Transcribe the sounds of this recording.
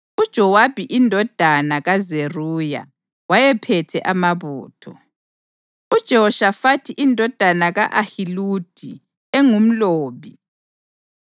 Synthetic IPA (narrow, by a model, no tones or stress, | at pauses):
ud̥ʒ̥ʱɔwabʱiʔindʱɔd̥ʱanaɣazeruja̰ | wajɛpʰɛtʰɛ̰ʔamaβuːtʰɔ̰ | ud̥ʒ̥ʱɛɔʃafatʰiʔindʱɔd̥ʱanaɣaʔahilud̥ʱḭ | ɛŋum̩loːβi